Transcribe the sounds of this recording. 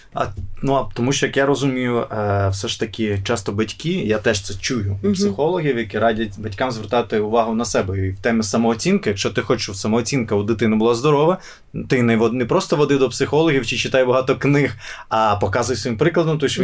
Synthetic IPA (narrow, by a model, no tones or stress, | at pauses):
ɐ̰nuɐt̪ɔmuʃt͡ʃɔjɐkjaɾɔzʊmʲijʊwsɛʃt̪ɐkʲɪt͡ʃast̪ɔbɐtʲkʲijat̪ɛʃt̪sɛt͡ʃujʊpsɪxɔlˠɔɦʲiwjɐkiɾadʲɐtʲbɐtʲkamzʋert̪ɑjʊt̪ɪʊʋɑɦʊnɐsɛbɛiwt̪ɛmɪsɐmɔːt͡sʲinkɪjɐkʃt͡ʃɔt̪ɪxɔt͡ʃɪʃwsɐmɔːt͡sʲinkɐʋɔd̪ɪt̪ɪnɛbʊlˠazd̪ɔɾɔʋɐ | t̪ɪnɛʋɔnɛpɾɔst̪ɔʋɔd̪ɪd̪ɔpsɪxɔlˠɔɦʲiwt͡ʃɪt͡ʃɪt̪ɑjbɐɦɑt̪ɔknɪxɐpɔkɑzʊjsʋɔjimpɾɪklˠɐd̪ɔmt̪ɔʃ